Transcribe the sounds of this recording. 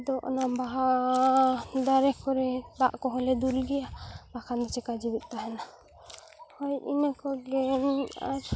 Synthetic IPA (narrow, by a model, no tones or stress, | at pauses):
d̪ɔʔnabaɦa | d̪aɾɛkɔɾɛt̪aʔkɔɦɔlɛd̪ulɡɛjabakʰand̪ɔt͡ʃɛkad͡ʒibɛt̪̚ˀt̪aɦɛna | hɔjḭnəkɔɡɛna̰ɾ